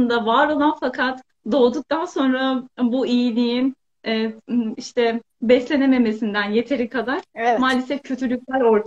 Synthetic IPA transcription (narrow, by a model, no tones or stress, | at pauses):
nd̪avaɾo̞lˠanfakʰat̪ | d̪o̞ːd̪uk̚t̪ʰanso̞nɾabuijinʲijinː | iʃt̪ʰɛ | bɛslʲe̞neme̞me̞sind̪ænje̞t̪ʰe̞ɾikʰad̪aɾ̥maːlʲesɛfcʰø̞t̪ʰylʲyc̚ʲlʲæɾo̞ɾt̪